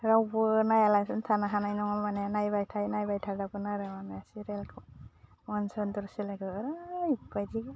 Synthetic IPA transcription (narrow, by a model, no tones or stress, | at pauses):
ɾawbɯnajalajsuntʰanaɦanajnɔŋamananajbajtʰajnajbajtʰaɾdabɯnaɾawamaasiɾelkʰɯ | mɔnsɔndɔɾsilaɡɯɾajpajdiɡɯ